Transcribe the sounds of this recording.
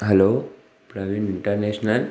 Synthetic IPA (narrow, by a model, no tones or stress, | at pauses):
ɦɛlo | pɾaʋiniɳʈəɾneɕnəl